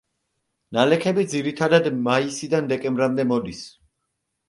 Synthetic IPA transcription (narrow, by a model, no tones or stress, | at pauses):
nalɛkʰɛbid̪ziɾit̪ʰad̪ad̪maisid̪and̪ɛkʼɛmbɾamd̪ɛmɔd̪is